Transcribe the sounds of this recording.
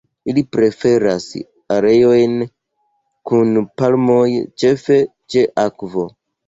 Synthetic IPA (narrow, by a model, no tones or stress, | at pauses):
ilipɾe̞fe̞ɾas | aɾejojn | kunpalmojt͡ʃefe̞t͡ʃeʔakvo